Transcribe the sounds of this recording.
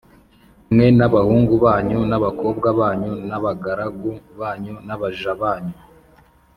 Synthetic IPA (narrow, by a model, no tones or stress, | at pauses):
mŋe̞naβahuːŋɡuβaːɲunaβako̞ːbɡaβaːɲunaβaɡaɾaɡuβaːɲunaβaʒaβaːɲu